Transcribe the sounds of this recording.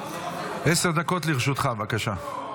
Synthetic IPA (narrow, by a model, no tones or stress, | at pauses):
ʔeseʁd̪ako̞t̪liʁʃut̪χavakaʃa